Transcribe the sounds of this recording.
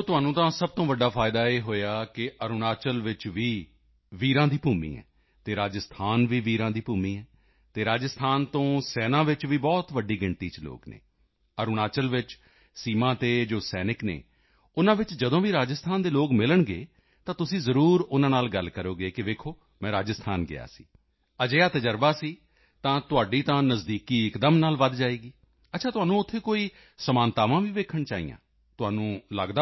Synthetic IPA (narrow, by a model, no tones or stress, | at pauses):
oːt̪ʊɦaːnũːt̪ãːsəb̚t̪õːʋəɖːaːpʰaːɪd̪aːeːɦoːjaːkɪʔəɾʊnaːt͡ʃəlʋɪt͡ʃʋiː | ʋiːɾãːd̪iːpuːmḭːɛ̰̃ː | t̪eːɾaːd͡ʒəst̪ʰaːnʋiːʋiːɾãːd̪iːpuːmiːɛː | t̪eːɾaːd͡ʒəst̪ʰaːnt̪õːsɛːnãːʋɪt͡ʃʋiːbɔːt̪ʋəɖiːɡɪɳt̪iːt͡ʃlo̰ːknḛː | əɾʊnaːt͡ʃəlʋɪt͡ʃ | siːmãːt̪eːd͡ʒoːsɛːnɪknḛː | ʊnãːʋɪt͡ʃd͡ʒəd̪õːʋiːɾaːd͡ʒəst̪ʰaːnd̪eːloːkmɪləɳɡeː | t̪ãːt̪ʊsĩːzəɾuːɾʊnãːnaːlɡəlkəɾoːɡeːkɪʋeːkʰoː | mɛ̃ːɾaːd͡ʒəst̪ʰaːnɡɪ̰a̰ːsḭː | əd͡ʒeːaːt̪əd͡ʒəɾbaːsiː | t̪ãːt̪ʊaːɖiːt̪ãːnəzd̪iːkiːɪkd̪əmnaːlʋəd̪d͡ʒaːeːɡiː | ətːʃʰaːt̪ʊaːnũːʊt̪ʰːeːkoːiː | səmaːnt̪aːʋãːʋiːʋeːkʰəɳt͡ʃaːḭjã̰ː | t̪ʊaːnũːlə̰ɡd̪aː